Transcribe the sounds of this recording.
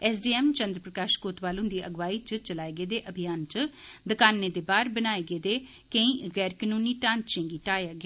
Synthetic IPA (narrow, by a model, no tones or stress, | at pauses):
ɛːsɖiːɛːmt͡ʃə̃nd̪ɾəpɾəkaːʃkoːt̪ʋaːlõːd̪iːʔəɡʋaːiːt͡ʃət͡ʃəlaːeɡeːd̪eːʔəbʱɪjaːnt͡ʃd̪əkaːnːeːd̪eːbaːɾbənaːeɡeːd̪eː | kə̃ĩːɣɛːɾkənuːniːʈãːnt͡ʃẽːɡiːʈaːjaːɡj